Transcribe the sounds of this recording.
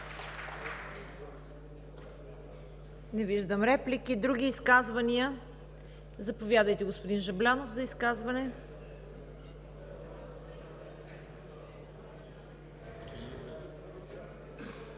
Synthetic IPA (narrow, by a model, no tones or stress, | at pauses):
nɛviʒd̪əmɾɛplikid̪ɾuɡ̟ʲiːskazvɐniə | zɐpovjad̪əjt̪ɛɡospod̪inʒɐblʲanofzɐiskazvɐnɛ